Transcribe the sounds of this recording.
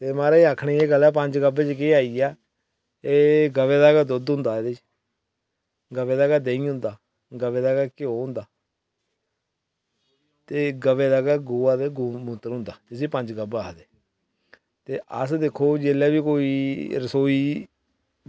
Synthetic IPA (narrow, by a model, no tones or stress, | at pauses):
t̪eːmaːɾaːiaːkʰːɳeːeːɡəlɛːp̬əɲd͡ʒɡəbeːt͡ʃk̬eːaːiːaː | eːɡəʋeːd̪aːɡaːd̪ʊd̪ɦʊ̃nd̪aːd̪eːt͡ʃ | ɡəʋeːd̪aːɡaːd̪ẽĩːɦʊ̃nd̪aː | ɡəʋeːd̪aːɡaːkɪoːɦʊ̃nd̪aː | t̪eːɡəʋeːd̪aːɡaːɡoːaːd̪eːɡumʊ̃ːt̪əɾɦʊ̃nd̪aːɪsiːpəɲd͡ʒɡəbaːd̪eː | t̪eːʔə̰sd̪ekʰːoːd͡ʒeːlɛːbiːkoːiːɾəsoːiː